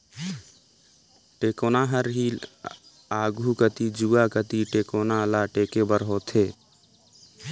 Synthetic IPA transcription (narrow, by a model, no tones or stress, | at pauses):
ʈeːkoːnaɦəɾɦiːl | aːɡʱukət̪id͡ʒuːakət̪iʈeːkoːnalaʈeːkebəɾɦot̪ʰeː